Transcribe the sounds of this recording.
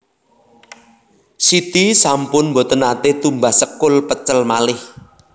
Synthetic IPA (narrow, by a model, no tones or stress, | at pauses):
sit̪isampʊnmbot̪ənat̪et̪umbasəkʊlpət͡ʃəlmalɪh